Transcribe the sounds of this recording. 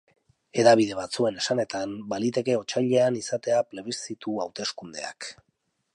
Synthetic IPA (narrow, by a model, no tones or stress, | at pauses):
e̞ðaβ̞ið̞e̞β̞at͡sue̞nesane̞t̪ambalit̪e̞ke̞o̞t͡ʃaʎe̞anisat̪e̞aple̞β̞isit̪uawt̪e̞skund̪e̞̰a̰k